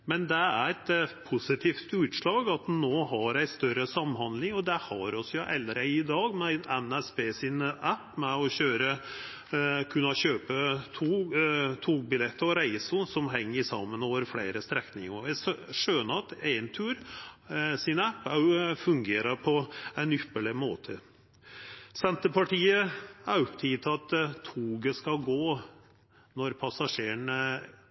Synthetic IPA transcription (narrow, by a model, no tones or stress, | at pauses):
mɛnd̪ɛæɾɛt̪pʰʊsɪt̪ʰiːft̪ʉːt̪ʂɭɑːɡɑt̪noːɦɑɾæɪst̪œɾəsɑmhɑnd̪lɪŋɔd̪ɛhɑɾɔsjʊʔɛlɾəɪd̪ɑːɡmɛɛnæspʰeːsɪnæpːmɛɔɕøːɾə | kʰʉnːɑɕøːpət̪ʰuːt̪ʰuːɡ̚bɪlɛt̪ːəɾɔɾæɪsʊsɔmɦɛŋːəɾsɑ̰mːənoːʋəɾflæɪɾəst̪ɾɛknɪŋəæsʂøːnəɑt̪æɪnt̪ʰʉːɾ | sɪnæpːæfʉŋɡeːɾəɾpʰɔænʏpːəɭɪmoːt̪ʰə | sɛnt̪əpɑʈʰiːəæɾɔpt̪ʰiːt̪ʰɑt̪ʰːuːɡəskɑlɡoː | nɔɾpʰɑsɑʂeːəɳ